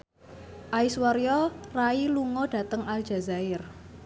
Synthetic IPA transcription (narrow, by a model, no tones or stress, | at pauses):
ʔaiswaɾjɔrailuŋɔɖ̥ä̤t̪əŋalʒ̥a̤zaɪr